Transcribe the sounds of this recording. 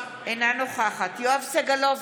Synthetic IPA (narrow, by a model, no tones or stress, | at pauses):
ʔenanoχaχat̪joavseɡalov